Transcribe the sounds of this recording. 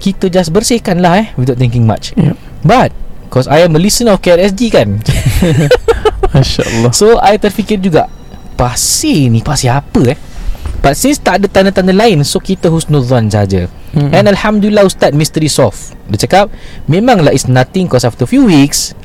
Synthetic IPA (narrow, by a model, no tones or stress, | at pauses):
kit̪əd͡ʒasbərsɪhkanlahɛhwid̪at̪̚ɛŋkĩŋma̰t͡ʃ | bat̪̚kɔsajɛ̃məlisə̃nɔfketɛs̬dikan | maʃa̰lːɔsoajt̪ərfikird͡ʒuɡaʔ | pasinipasiapəɛhb̥at̪̚sĩnst̪aʔdət̪anət̪anəlaɪnsokit̪əhusnodansəɦad͡ʒə̰ | ɛ̃nalhamdulilaust̪at̚mist̪əɾisɔf | dət͡ʃəkap̚mẽmãŋlaitsnat̪ɪ̃ŋkɔsaft̪əfjuwiks